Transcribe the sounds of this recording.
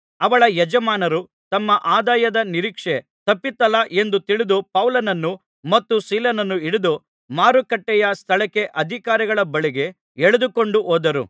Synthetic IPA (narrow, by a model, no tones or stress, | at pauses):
ɐʋɐɭɐjɛd͡ʒɐmaːnɐɾu | t̪ɐmːɐʔaːd̪aːjɐd̪ɐniɾiːkʂe̞ | t̪ɐpːit̪ːɐlɐʔe̞nd̪ut̪iɭid̪upɐwlɐnɐnːu | mɐt̪ːusiːlɐnɐnːuiɽid̪u | maːɾukɐʈːɛjɐst̪ʰɐɭɐkːe̞ʔɐd̪ʱikaːɾiɡɐɭɐbɐɭiɡe̞ | eɭed̪uko̞ɳɖuʔoːd̪ɐɾṵ